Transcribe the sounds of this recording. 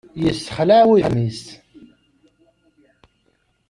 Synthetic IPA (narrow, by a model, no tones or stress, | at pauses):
jəsːə̥χlaʕwimist̪